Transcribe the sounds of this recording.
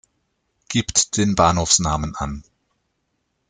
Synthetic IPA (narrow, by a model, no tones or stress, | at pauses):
ɡ̥iːptd̥eːnbaːnhoːfsnaːmənʔa̰n